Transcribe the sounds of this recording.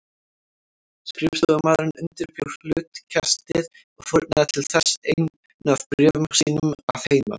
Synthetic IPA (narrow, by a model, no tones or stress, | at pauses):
skɾɪft̪ɔɣamaːðɾɪnʏnt̪ɪɾpʰjowr̥lʏt̪cʰast̪ɪð | ɔɣfɔɾt̪naðɪt̪ʰɪlθɛsejn | naðpɾjœːvʏmsiːnʏma̰whejma̰